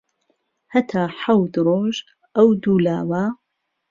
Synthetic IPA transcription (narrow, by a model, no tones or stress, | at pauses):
hɐt̪ʰaːħawd̪ɾoːʒ | ʔɐwd̪uːlaːwa